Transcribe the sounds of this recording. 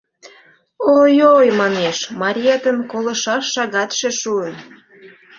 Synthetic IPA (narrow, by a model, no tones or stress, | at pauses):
ojojmɑneʃmɑɾʲiet̪ənkolə̆ʃɑʃːɑɣɑt̪ʃeʃuən